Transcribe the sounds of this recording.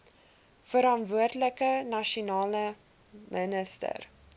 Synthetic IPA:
fəɾɑntvuərdələkənɐʃunɑːlə | mʔənəstə̰r

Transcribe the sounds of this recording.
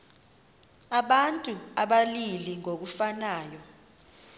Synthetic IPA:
aɓantʼuaɓaliliŋok̬ufanaːjɔ

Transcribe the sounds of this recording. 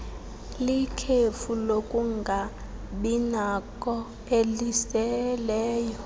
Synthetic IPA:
likʰefulokʼuŋɡʱa | ɓinakʼɔ | elisɛlɛːjɔ

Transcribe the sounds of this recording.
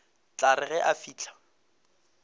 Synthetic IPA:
t͡ɬaɾɪɣɛʔafiːt͡ɬʰḁ

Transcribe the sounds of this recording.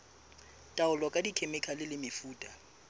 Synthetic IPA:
tʼaʊlɔkʼadikʰemɛkʰalɪlɪmɪfuːtʼa

